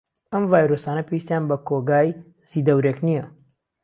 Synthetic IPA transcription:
ɐmvaːjɾosaːnɐpʰʲewist̪jaːnbɐkʰoɡaːj | z̥id̪ɐwɾeknijɐ

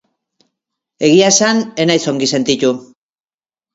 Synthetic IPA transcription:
e̞ɣiasane̞najso̞ŋɡise̞nt̪it̪u

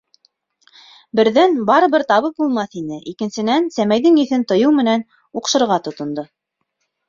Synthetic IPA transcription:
bɘ̆ɾðænbɑɾɤ̆βɘɾt̪ɑβɤp̚bulˠmɑθinɘʔikɘ̆nsɘ̆nænsæmæjðɘŋɘ̆θɘnt̪ŏjɤwmɘ̆næn | uqʃɤ̆ɾʁɑt̪ŏt̪ŏnd̪o

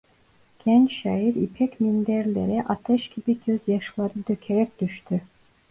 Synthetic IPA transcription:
ɡ̥ɛnt͡ʃʃajiɾipʰɛcmind̪æɾlʲeɾɛʔat̪ʰɛʃɡ̥ibiɟøzjaʃlˠaɾɯd̪øcʰeɾɛc̚d̪̥yʃt̪ʰy

